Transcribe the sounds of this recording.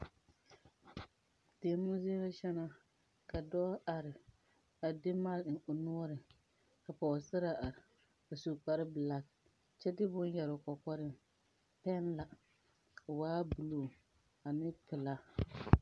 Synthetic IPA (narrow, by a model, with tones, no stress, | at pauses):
teː˨mʊ˦ze˦la˦ʃɛ˦na˦ | ka˨dɔː˦a˨ɾɪ˨ | a˨dɪ˦ma˦˨l̩˨ʊ˨nu˦ɔ˦ɾɪ˨ | ka˨pɔ˨sɪ˦ɾa˨ʔa˨ɾ | a˨su˨k͡pa˨ɾɪ˦bɨ˨la˨k | t͡ʃɛ˦dɪ˦bʊ˦n˦jɛ˨ɾʊ˨kɔ˨kɔ˦ɾɪ˦m | pɛ˦nla˨ | waː˦bɨ˨lo˨ | a˨nɪ˦pɪ˨la˦